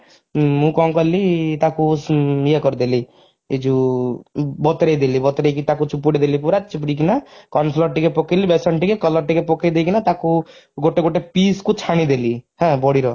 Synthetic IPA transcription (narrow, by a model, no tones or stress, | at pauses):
mũkɔũkɔlit̪akujekɔɾd̪eli | ed͡ʒu | bɔt̪ɾejd̪elibɔt̪ɾejkit̪akut͡ʃupːuɽed̪elip̬uɾat͡ʃupɽik̬inakɔnslɔɾʈikepɔkelibesɔɳʈikekɔlɔɾʈikepɔkejd̪ejkinat̪akuɡoʈeɡoʈepiskut͡ʃʰaɽ̃id̪elihɛ̃bɔɽiɾɔ